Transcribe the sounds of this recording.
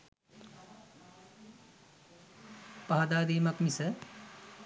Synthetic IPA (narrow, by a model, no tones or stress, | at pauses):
pɐɦɐd̪aːd̪iːmɐkmisɐ